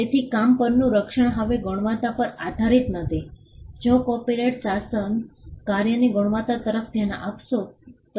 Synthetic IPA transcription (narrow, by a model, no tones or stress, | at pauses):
t̪et̪ʰikampəɾnũɾəkʂəɳ̃ɦəʋeɡoɳ̃ʋat̪apəɾad̪ʱaɾit̪nəd̪ʱid͡ʒokɔpiɾeʈsasənkaɾjəniɡoɽ̃ʋat̪at̪əɾəfd̪ʱjana̰ʔapʃot̪